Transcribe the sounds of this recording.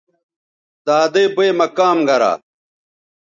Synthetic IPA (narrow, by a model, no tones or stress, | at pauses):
t̪aːd̪eːbeːmɐkaːmɡɐɾa̰ː